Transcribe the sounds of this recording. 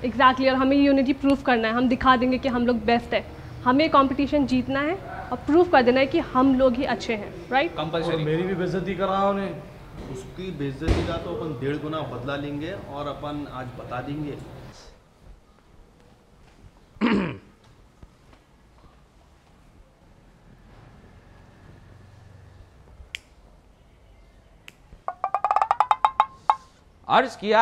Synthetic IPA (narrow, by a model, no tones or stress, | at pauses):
ɪɡzæːk̚ʈliɔːɾɦɐmẽjejuːnɪʈipɾuːfkɐɾnaɦɛɦɐmd̪ɪkʰad̪ẽːŋɡekiɦɐmloːɡ̚bɛːsʈɦɛ̃ː | hɐmejekɔ̃ːmpɪʈiːʃənd͡ʒiːt̪naɦɛɔːɾpɾuːfkɐɾd̪eːnaɦɛkihɐmloːɡɦiʔɐtːʃʰeɦɛ̃ː | ɾaɪʈkɐmpɐɾɔmeːɾibʱibɪzət̪ikɐɾaɦɛʊnẽː | ʊskibɪzət̪ikat̪oɐpənd̪eːɭɡʊnabɐd̪lalẽːŋɡeɔːɾɐpəna̰ːd͡ʒbɐt̪alẽːŋɡeː | ɐ̰ɾzkija